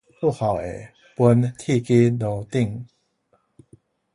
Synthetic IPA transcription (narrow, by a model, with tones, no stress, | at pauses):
pu˥˨ha˨˩we˨˩ | pu˦nt̪ʰi˥˧ki˦no˨˩t̪i˥˧ŋ